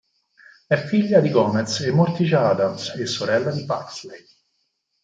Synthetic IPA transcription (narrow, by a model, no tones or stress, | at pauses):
ɛfːiʎːad̪iɡɔːmɛt̪semːort̪it͡ʃaːd̪amsesːoɾɛlːad̪ipakslej